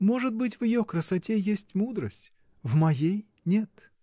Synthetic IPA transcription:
moʐɨt̪̚bɨtʲvjɪjokɾəsɐtʲejesʲtʲmud̪ɾəsʲtʲ | vmɐjej | nʲe̞t̪

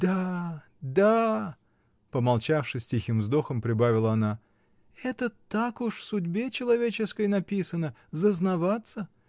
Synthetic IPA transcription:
d̪̥a | d̪a | pəmɐlˠt͡ɕafʂɨsʲtʲixʲɨmvzd̪o̞xəmpɾʲɪbavʲɪlˠəɐna | ɛt̪ət̪akʊʂfsʊdʲbʲe̞t͡ɕɪlˠɐvʲet͡ɕɪskəjnɐpʲisənəzəznɐvat̪sə

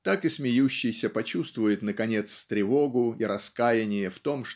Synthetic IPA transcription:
t̪akɨsmʲɪjuɕːɪjsʲəpɐt͡ɕust̪vʊjɪt̪nəkɐnʲe̞t̪st̪ɾʲɪvo̞ɡʊiɾɐskajɪnʲɪjəft̪o̞mʂ

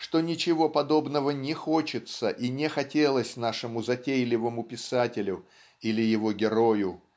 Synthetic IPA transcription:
ʂt̪o̞nʲɪt͡ɕɪvo̞pɐd̪o̞bnəvənʲɪxo̞t͡ɕɪt̪səʔinʲɪxɐtʲelˠəsʲnaʂɨmʊzɐtʲejlʲɪvəmʊpʲɪsatʲɪlʲʊ | ilʲɪjɪvo̞ɡʲɪɾo̞jʊ

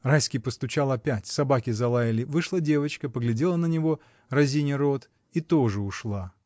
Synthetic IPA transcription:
rajskʲɪjpəst̪ʊt͡ɕalˠɐpʲætʲsɐbakʲɪzɐlˠajɪlʲɪvɨʂlˠədʲe̞vət͡ɕkəpəɡlʲɪdʲe̞lˠənənʲɪvo̞ | rɐzʲinʲɪɾo̞t̪ | it̪o̞ʐɨʊʂlˠa

